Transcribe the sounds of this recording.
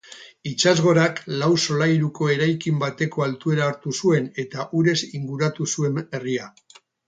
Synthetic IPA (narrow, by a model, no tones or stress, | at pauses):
it͡ʃazɣo̞ɾaklawso̞lajɾuko̞e̞ɾajkimbat̪e̞ko̞alt̪ue̞ɾaːɾt̪usue̞ne̞t̪aʔuɾe̞siŋɡuɾat̪usue̞me̞ria